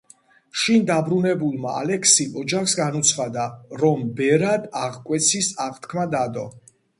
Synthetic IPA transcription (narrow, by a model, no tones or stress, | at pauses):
ʃind̪abɾunɛbulˠmaa̰lɛkʰsiʔɔd͡ʒaχsɡanut̪sʰχad̪aɾɔmbɛɾad̪aʁkʼwɛt̪sʰisaʁt̪ʰkʰmad̪ad̪ɔ̰